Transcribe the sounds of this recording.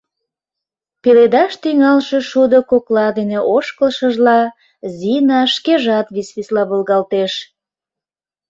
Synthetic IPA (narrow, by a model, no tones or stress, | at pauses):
peled̪ɑʃt̪iŋɑlʃeʃud̪okoklɑd̪eneʔoʃkəlʃəʒlɑ | zinɑʃkeʒɑt̪βisβislɑβəlɣɑlt̪eʃ